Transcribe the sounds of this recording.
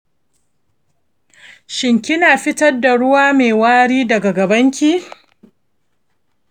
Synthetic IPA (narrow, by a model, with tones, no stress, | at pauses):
ʃɪ˨ŋkʲɪ˦naː˨ɸɪ˦tɐ˦rda˨ɽʊ˦waː˦meː˨waː˦ɽiː˦dɐ˨ɡa˨ɡɐ˨bɐ˦ŋkʲiː˦